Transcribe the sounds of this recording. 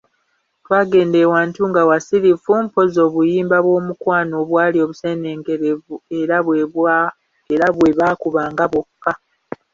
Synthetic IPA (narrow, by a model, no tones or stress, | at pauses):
twaːɡe̞ːndewaːntuŋɡawasiɾifumpo̞zo̞ːβujiːmbaβwo̞ːmukwaːnoːβwaːlio̞ːβuse̞ːneːŋɡe̞ɾe̞vue̞ɾaβweβa | eɾaβwe̞βaːkuβaːŋɡaβo̞kːa